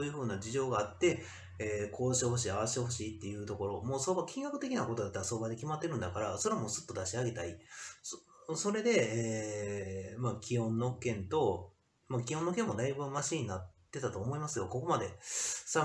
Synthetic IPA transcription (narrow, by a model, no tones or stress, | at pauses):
oːjɯ̟ːɸɯ̟ːnad͡ʑiʑo̞ːɡaːt̪ːe̞ | eːkʰo̞ːɕi̥eɦo̞ɕ̬iːaβaɕi̥t̪eho̞ɕiːt̪ːe̞jɯ̟ːt̪o̞ko̞ɾo̞moːsoːbakʲĩŋɡakɯ̟t̪e̞kʲinakot̪o̞d̪at̪ːaɾaso̞ːbad̪e̞kʲimat̪ːe̞ɾɯ̟̃nd̪akaɾaso̞ɾamo̞ːsɨ̥t̪ːo̞d̪aɕiaɡe̞t̪ai | so̞ɾe̞d̪e̞eː | makʲihõ̞nːo̞kẽ̞nt̪o̞ | makʲionːokẽ̞mːo̞d̪aibɯ̟maɕiːɲ̟inat̪ːe̞t̪at̪o̞ːmo̞imasɨjo̞ko̞ko̞mad̪e̞sa